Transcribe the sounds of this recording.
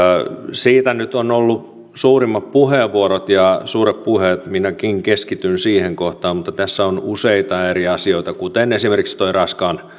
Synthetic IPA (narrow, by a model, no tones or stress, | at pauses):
siːt̪ænyt̪onolːu | suːrimːɑppuheːʋʋːuoɾot̪jɑsuːɾeppuhet̪minækiŋkeskit̪ynsiːheŋkoht̪ɑːmmut̪ːɑt̪æsːæonuseit̪ɑeɾiɑsioit̪ɑkut̪enesimerkikst̪oirɑskɑn